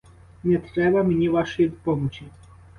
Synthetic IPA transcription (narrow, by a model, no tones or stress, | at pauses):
nɛt̪ɾɛbɐmenʲiʋaʃejid̪ɔpɔmɔt͡ʃi